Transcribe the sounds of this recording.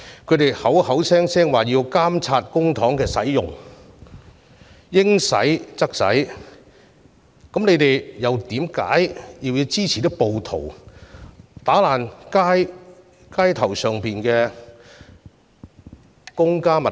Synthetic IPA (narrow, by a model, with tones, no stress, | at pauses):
kʰɵ˨˧ɥt̪e˨˩jhɐ˨˥whɐ˨˥wsɛː˥ŋsɛː˥ŋwaː˨˩jiː˧wkaː˥mt͡sʰaː˧t̚kʊ˥ŋt̪ʰɔː˨˥ŋkɛː˧sɐ˨˥jjʊ˨ŋ | jɪ˥ŋsɐ̰˨˥jt͡sɐ˥k̚sɐ̰˨˥j | kɐ˨˥mne˨˧jt̪e˨jjɐ˨˧wt̪iː˨˥mka̰ː˨˥jjiː˨˧wjiː˨˧wt͡siː˥t͡sʰiː˨˩t̪ɐ˥k̚po˨wt̪ʰo̰˨˩w | t̪aː˨˥laː˨˩nkaː˥j | kaː˥jt̪ʰɐ˨˩wsœː˨˩ŋpiː˨˩nkɛː˧ | kʊ˥ŋkaː˥mɐ˨